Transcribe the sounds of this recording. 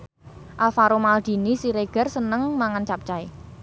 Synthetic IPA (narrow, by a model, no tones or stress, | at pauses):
ʔalfaɾomald̪̥i̤nisiɾeɡ̥ə̤rsənəŋmaŋant͡ʃap̚t͡ʃae